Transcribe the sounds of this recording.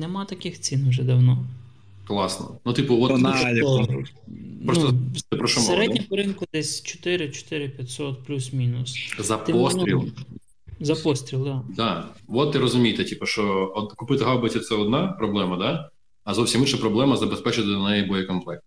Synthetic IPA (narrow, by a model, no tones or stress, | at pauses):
nɛmɑt̪ɐkɪxt͡sʲinʊʒɛd̪ɐwnɔ | klˠɑsnɔ̰nut̪ipʊʋɔt̪jɐ | npɾɔst̪ɔt̪ɪpɾɔʃɔseɾɛdnʲɐpɔɾɪnkʊd̪ɛsʲt͡ʃɔ̥t̪ɪɾɪt͡ʃɔ̥t̪ɪɾɪpʲjɐt̪ʲsɔt̪̚plʲusmʲinʊszɐp̪ɔst̪ɾʲilˠ | zɐpɔst̪ɾʲilˠd̪ad̪ɑʋɔt̪ːɪɾɔzʊmʲijt̪ɪtʲipɐʃt͡ʃɔɔd̪kʊpɪt̪ɪɦɑwbɐtʲit̪sɛɔd̪nɑpɾɔblˠɛmɐd̪ɑ | ɐzɔwsʲimɪt͡ʃɐpɾɔblˠɛmɐzɐbespɛt͡ʃɪt̪ɪd̪ɔnɛjɛbɔjɛkɔnplˠɛk̚t̪